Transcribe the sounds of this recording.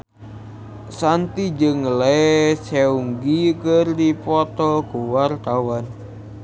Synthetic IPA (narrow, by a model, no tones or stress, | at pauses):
sant̪id͡ʒəŋlɛseuŋɡikərdipɔt̪ɔɡ̥uwart̪awan